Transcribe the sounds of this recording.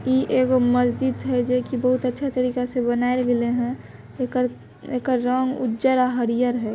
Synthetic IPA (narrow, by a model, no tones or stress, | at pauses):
iʔeɡoməzd̪id̪ɦɛd͡ʒekibəɦʊt̪ətːʃʰat̪əɾiːkasebənaːelɡeleɦɛ̃ | k | ekəɾːəŋɡṵd͡ʒəɾaɦəɾijəɾɦɛ